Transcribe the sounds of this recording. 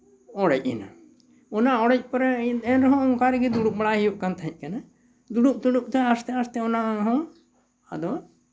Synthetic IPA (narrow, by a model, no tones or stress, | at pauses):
ɔɽɛc̚ˀḭna | ɔnaɔɽɛc̚pɔɾɛɛnɾɔɦɔ̃ɔŋkaɾɛɡid̪uɽup̚baɽahijuʔkant̪ʰaɦɛ̃c̚ˀkana | d̪uɽup̚t̪uɽup̚t̪ɛast̪ɛast̪ɛɔnaɦɔ̃ | a̰d̪ɔ